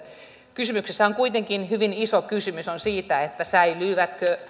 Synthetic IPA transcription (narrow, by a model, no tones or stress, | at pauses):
kysymyksesːæoŋkuit̪eŋkinhyʋinisokysymysonsiːt̪æet̪ːæsæilyːʋæt̪kø